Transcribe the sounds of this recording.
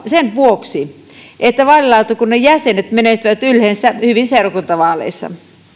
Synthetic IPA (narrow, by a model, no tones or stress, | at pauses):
senʋuoksi | ʔet̪ːæʋɑlilɑut̪okunnejæsenet̪menest̪yʋæt̪ylhensæhyʋinseˑurɑkunt̪ɑʋɑːlḛisːɑ̰